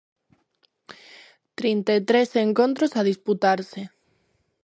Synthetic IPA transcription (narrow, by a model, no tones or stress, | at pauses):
t̪ɾint̪aet̪ɾeseŋkõnt̪̬ɾosaðisput̪aɾse